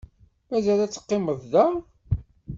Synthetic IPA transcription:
mæzælæt͡sːə̥qːɪməððæ

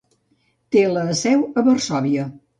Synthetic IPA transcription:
t̪eləːsɛwəβərsɔβiə

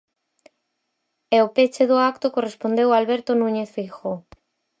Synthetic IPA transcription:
ɛopet͡ʃeðʊakt̪ʊkorespond̪ewalβɛɾt̪onũɲeθfixo

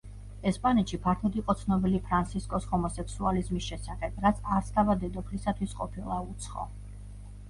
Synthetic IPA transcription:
ɛspʼanɛt̪ʃipʰaɾt̪ʰud̪iqʼɔt̪sʰnɔbilipʰɾant̪sʰiskʼɔshɔmɔsɛksualizmisʃɛsaχɛb̥ɾat̪sʰaɾst̪ʰavad̪ɛd̪ɔpʰlisat̪ʰwisqʼɔ̰pʰilˠaut̪sʰχɔ̰

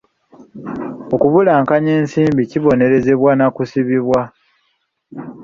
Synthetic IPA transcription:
o̞kuβulaːŋkaɲeːnsiːmbiciβo̞ne̞ɾe̞ze̞βwanakusiβiβwa

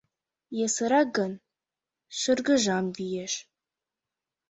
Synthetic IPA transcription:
jɛsɨɾaɡɐn | ʃɨrɡɨʒamdijɛʃ

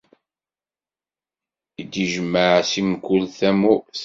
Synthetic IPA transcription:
id̪iʒəmːəʕsimkːʊlθæmus

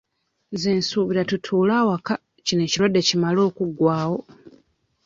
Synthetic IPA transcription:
zeːnsuːβiɾatutʰuːlaːwaka | cine̞ːcilwadːe̞cimalo̞ːkuɡwaːwo̞

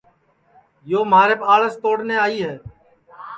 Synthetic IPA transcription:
joːmaːɾeːpaːɭəst̪oːɽneːaːiːɦeː

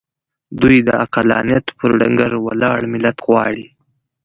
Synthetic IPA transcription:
d̪ujd̪əaqalɑ̰njat̪pʰəɾɖaŋɡaɾwa̰lɑɽmɪlat̪ɣwɑɽi

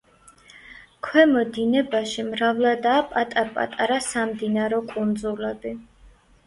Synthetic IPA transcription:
kʰwɛmɔd̪inɛbaʃimɾavlad̪aːpʼat̪ʼaɾpʼa̰t̪ʼaɾasamd̪inaɾɔkʼund̪zulad̪i

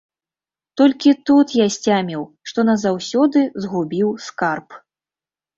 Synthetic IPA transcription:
t̪ɔlʲkʲit̪ut̪jasʲt͡sʲamʲiwʂt̪ɔnɐzawsʲɔd̪ɨzɣubʲiwskarp

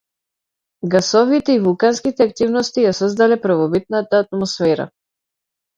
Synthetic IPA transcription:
ɡasɔvit̪ɛivulˠkanskit̪ɛakt̪ivnɔst̪ijasɔzd̪alɛpɾvɔbit̪̚nat̪aːt̪̚mɔsfɛɾa̰

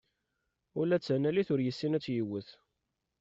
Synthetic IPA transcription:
ʊlæt͡sːənæliθʊɾjəsːinæt͡sːjəwəθ

